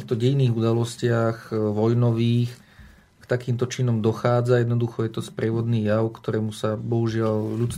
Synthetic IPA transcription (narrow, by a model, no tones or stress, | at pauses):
ixt̪ɔɟɛjniːɣud̪alɔscɪaɣʋɔjnɔʋiːx | kt̪akiːmt̪ɔt͡ʃinɔmd̪ɔxaːd͡zajɛd̪nɔd̪uxɔjɛt̪ɔspɾʔɪɛʋɔd̪niːjaʊkt̪ɔɾɛːmusabɔɦuʒɪalʎut͡s